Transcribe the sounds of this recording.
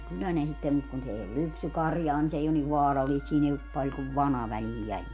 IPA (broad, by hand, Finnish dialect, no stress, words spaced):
kylːæ ne sitːem mut kun s ei ol lypsykɑrjɑː ni s ei on niʋ ʋɑːrɑlːiːst siːn ei op pɑlʲ kuʋ ʋɑnɑ ʋæliːj jæljel